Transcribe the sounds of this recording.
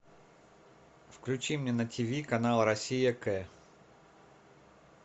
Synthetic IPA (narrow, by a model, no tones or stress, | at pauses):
fklʲʉt͡ɕimnʲenətʲʰivʲikɐnalˠɾɐsʲijəkɛ